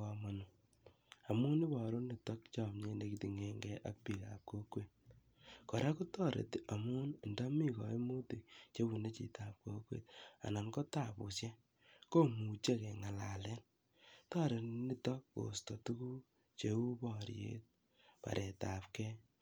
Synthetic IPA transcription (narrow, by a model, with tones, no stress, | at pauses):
ɔ˧mo˨nu˨ | a˨mu˦ni˦bɔ˨ɾo˦ni˨tɔ˦kt͡ʃɔ˦˨mɲe˦ne˨ki˨ti˨ŋe˨ŋɡɛ˦ʔa̰˦k̚pi˨ka̰˨p̚ko˦kwe˨t̚ | kɔ˨ɾʔa˦ku˦tɔ˦ɾḛ˨ti˦ʔa˨mu˦n˨ndɔ˦mi˦kɔ̰˨i˦mu˦ti˨t͡ʃe˦bu˨ne˦t͡ʃḭ˨tʰa˨p̚ko˦kwḛ˨ta̰˨na˨nkɔ˦ta˦˨pu˨sje˦ | ko˦ŋu˨t͡ʃe˦kɛ˨ŋa˨la˨lɛ˦n | tɔ˦ɾe˨ni˦tɔ˦kko̰˨stɔ˨tu˦ku˦ | t͡ʃe˦u˦bɔ˨ɾjḛ˦t̚ | pa̰˨ɾʔe˨ta˨pkɛ˦